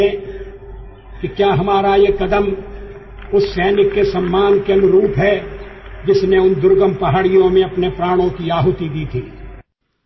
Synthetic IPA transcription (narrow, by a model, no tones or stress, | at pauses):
ɛ | kikjaːɦɐmaːɾajekɐd̪əm | ʊsːɛːnɪkːesɐmːaːnkeɐnʊɾuːpɦɛ | d͡ʒɪsneʊnd̪ʊɾɡəmpɐɦaːɽijõmẽɐpnepɾaːɽ̃õkiaːɦʊt̪id̪iːt̪ʰiː